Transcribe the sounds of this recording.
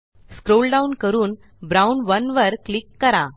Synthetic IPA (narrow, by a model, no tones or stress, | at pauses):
skɾolɖaunkəɾuːn | bɾaunʋənʋəɾklikːəɾa